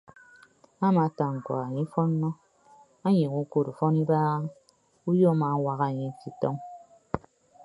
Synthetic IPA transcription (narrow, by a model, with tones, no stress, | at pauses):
a˦ma˨˦ta˨ŋ̩˨kwa̰˨a˨ɲi˦fɔ˦nːɔ˦ | a˦ɲi˨ku˦ko˨ɾu˨fɔ˦ni˦ba˦ | u˦jo˦ma˨˦wa˦ɣa˨ɲi˦ki˨tɔ˦ŋ